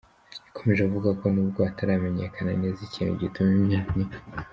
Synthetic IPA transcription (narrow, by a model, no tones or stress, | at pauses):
ḁkʰo̞me̞ʒekuvuɡako̞nuːbɡoataɾame̞ɲekʰana̰nezicinṵɟitumimɲani